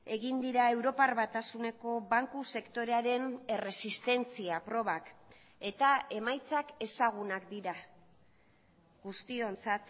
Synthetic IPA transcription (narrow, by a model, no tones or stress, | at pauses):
e̞ɣind̪iɾae̞wɾo̞parβat̪asune̞ko̞βaŋkuse̞kt̪o̞ɾe̞aɾe̞ne̞re̞sist̪e̞nt͡siapɾo̞β̞ak | e̞t̪ae̞majt͡sake̞saɣ̞unakd̪iɾa | ɣust̪io̞nt͡sat̪